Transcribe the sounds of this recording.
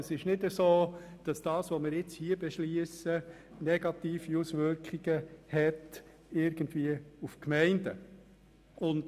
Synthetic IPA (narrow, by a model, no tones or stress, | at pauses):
əsɪʃnɪdəsoːd̥ɑsd̥ɑːsʋomɪɾɪt͡shiːəbɛʃliəsə | nɛɡ̥ɑt̪iːfiusʋʏɾkχiɡ̥əhɛt | ɪɾɡ̥əndviːəufkmɛɪndə | ʊnd